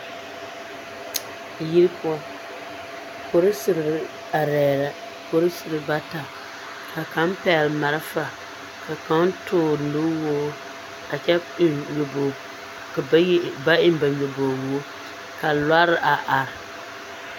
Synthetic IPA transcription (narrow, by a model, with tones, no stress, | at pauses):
ji˦ɾɨ˦pʊ˦a˦ | ko˦ɾɨ˦sɨ˨ɾɾɨ˦ | a˨ɾɛː˨ɾa˦ | ko˦ɾɨ˦sɨ˨ɾɨ˨ba˦ta˨ | ka˨ka˨˦m˦pɛ˨lma˨ɾɨ˦fa˨ | ka˨ka˦n˦tʊː˦˨lu˦wo˦ | a˨t͡ʃɛ˦ɲo˨bo˨˦ | ba˦ʔɪ˦m˦ba˨ɲo˨bo˨wo˦o˦ | ka˨la˦ɾɨ˦ʔa˨ʔa˨ɾɪ˨